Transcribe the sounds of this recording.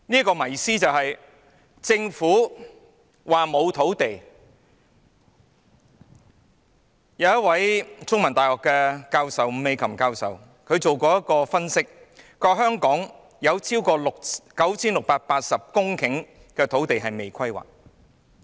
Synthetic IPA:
ni˥kɔː˧mɐ˨˩jsiː˥t͡sɐ˨wɦɐ˨j | t͡sɪ˧ŋfuː˨˥ | waː˨mo˨˧wt̪ʰo˨˥wt̪e˨j | jɐ˨˧wjɐ˥t̚wɐ˨˥jt͡sʊ˥ŋmɐ˨˩nt̪aː˨jhɔː˨˩kːɛː˧kaː˧wsɐ˨wm̩˧me˨˧jkʰɐ˨˩mkaː˧wsɐ̰˨w | kʰɵ˨˧ɥt͡so˨wkɔː˧jɐ˥kːɔː˧fɐ˥nsɪ˥k̚ | kɔː˧ɦœː˥ŋkɔː˨˥ŋ | jɐ˨˧wt͡sʰiː˥wkɔː˧lʊ˨k̚kɐ˨˥wt͡sʰiː˥nlʊ˨k̚paː˧t̚paː˧t̚sɐ˨p̚kʊ˥ŋkʰɪ˨˥ŋ | kɛː˧t̪ʰo˨˥wt̪e˨jɦɐ˨jme˨jkʰɐ˥jwa̰ː˨˩k̚

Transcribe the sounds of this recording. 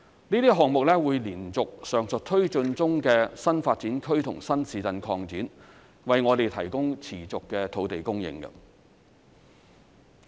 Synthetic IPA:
niː˥t̪iː˥ɦɔː˨ŋmʊ˨k̚lɛː˥wuː˨˧jliː˨˩nt͡sʊ˨k̚sœː˨ŋsɵ˨t̚t̪ʰɵ˥ɥt͡sɵ˧nt͡sʊ˥ŋkɛː˧sɐ˥nfaː˧t̚t͡siː˨˥nkʰɵ˥ɥt̪ʰʊ˨˩ŋsɐ˥nsiː˨˧t͡sɐ˧nkʰɔː˧ŋt͡siː˨˥n | wɐ˨jŋɔː˨˧t̪e˨jt̪ʰɐ˨˩jkʊ˥ŋt͡sʰiː˨˩t͡sʊ˨kːɛː˧t̪ʰo˨˧wt̪e˨jkʊ˥ŋjɪ̰˧ŋkɐ̰˧

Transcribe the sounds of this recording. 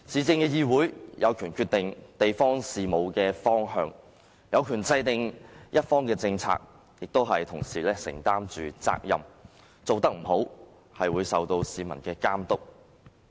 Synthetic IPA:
t͡siː˨˧t͡sɪ˧ŋkɛː˧jiː˧wuː˨˥jjɐ˨˧wkʰyː˨˩nkʰyː˧t̪ɪ˨ŋt̪e˨jfɔː˥ŋsiː˨mo˨˧wkɛː˧fɔː˥ŋɦœː˧ŋ | jɐ˨˧wkʰyː˨˩nt͡sɐ˧jt̪ɪ˨ŋjɐ˥t̚fɔː˥ŋkɛː˧t͡sɪ˧ŋt͡sʰa̰ː˧k̚ | jɪ˨k̚t̪o˥wɦɐ˨jt̪ʰʊ˨˩ŋsiː˨˩lɛː˥sɪ̰˨˩ŋt̪aː˥mt͡ʃyː˨t͡sa̰ː˧k̚jɐ̰˨m | t͡so˨wt̪ɐ˥k̚m̩˨˩ɦo˨˥w | hɐ˨jwuː˨˧jsɐ˨wt̪o˧wsiː˨mɐ̰˨˩nkɛː˧kaː˥mt̪ʊ˥k̚

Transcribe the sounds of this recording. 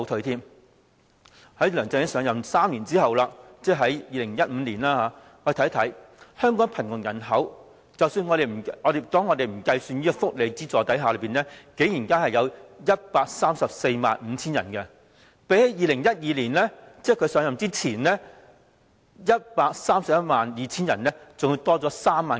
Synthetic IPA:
o˧t̪ʰɵ˨˧t̪ʰiː˥m | hɐ˨˥jlœː˨˩ŋt͡sɛ˧ŋjɐ˥sœː˨˧ŋjɐ˨msaː˥mliː˨˩nt͡siː˥hɐ˨wlaː˧t͡sɛː˥˩ɦɐ˨˥jjiː˨lɪ˨˩ŋjɐ˥t̚m̩ː˨˧liː˨˩nlaː˥haː˨˧ | ŋɔː˧e˨˩t̪ʰt̪ʰɐ˨˥j | hœː˥ŋkɔː˨˥ŋpʰɐ˨˩nŋʊ˨˩ŋjɐ˨˩nɦɐ˨˥w | t͡sɐ˨wsyː˧nŋɔː˨˧ɾe˨˧jm̩˨˩ɔː˨˧de˨˩t̪ɔː˥ŋːɔː˨˧t̪e˨jm̩˨˩kɐ˧jsyː˧niː˥ɔ˧fʊ˥k̚le˨˧jt͡siː˥t͡sɔː˨˧t̪ɐ˨˥jɦaː˨˧lə˨˧˥piː˨nɛː˥ke˨˥jiː˨˩nkaː˥hɐ˨jɐ˨˧wjɐ˥t̚paː˧k̚saː˥msɐ˨p̚se˧jma̰ː˨nm̩˨˧t͡sʰiː˥njɐ̰˨˩nkɛ˧ | pe˨˥jhɐ˨˥jiː˨˧lɪ˨˩ŋjɐ˥t̚jiː˧liː˨˩nlɛː˥t͡sɛː˥˩kʰɵ˨˧ɥsœː˨˥ŋjɐ˨mt͡siː˥t͡sʰiː˨˩nlɛː˥ | jɐ˥t̚paː˧k̚saː˥msɐ˨p̚jɐ˥t̚maː˨njiː˨˧t͡sʰiː˥njɐ̰˨˩nlɛː˥t͡sʊ˨ŋu˨˧t̪ɔː˥t͡sɔː˨˥saː˥mːaː˨n

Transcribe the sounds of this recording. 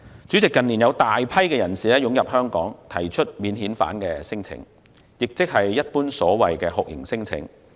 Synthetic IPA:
t͡sy˨˥t͡sɪ˨kːɐ˨nliː˨˩njɐ˨˧wt̪aː˨jpʰɐ˥jkɛː˧jɐ˨˩nsiː˨lɛː˥jʊ˨˥ŋjɐ˨p̚hœː˥ŋkɔ̰ː˨˥ŋt̪ʰɐ˨˩jt͡ʃʰɵ˥t̚miː˨˧nhiː˨˥nfa̰ː˨˥nkɛː˧sɪ˥ŋt͡sʰɪ̰˧˥ŋ | jɪ˨k̚t͡sɪ˥k̚hɐ˨jːɐ˥t̚puː˥nsɔː˨˥wɐ˨jkɛː˧hʊ˨k̚jʔɪ̰˨˩ŋsɪ˥ŋt͡sʰɪ̰˨˥ŋ

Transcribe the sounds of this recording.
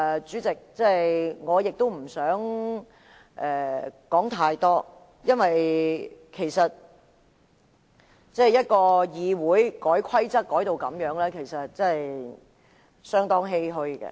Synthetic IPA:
t͡syː˨˥t͡sɪ˨k̚t͡sɛ˥˨jŋɔː˨˧jɪ˨k̚t̪o˥wm̩˨˩sœː˨˥ŋ | ʔɛː˨˩kɔː˨˥ŋt̪ʰaː˧jt̪ɔː˥ | jɐ˥nwɐ˨j | kʰe˨˩jsɐ˨t̚ | t͡sɐː˥˩˨jɐ˥t̚kɔː˧jiː˨wuː˨˥jkɔː˨˥jkʷʰɐ˥jt͡sɐ˥t̚kːɔː˨˥jt̪o˨wkɐ˨˥mjœː˨˥ŋlɛː˥kʰe˨˩jsɐ˨t̚t͡sɐ˥ɐ˨j | sœː˥ŋt̪ɔː˥ŋɦe˥jɦɵ˧˥ɥkɛ̰˧

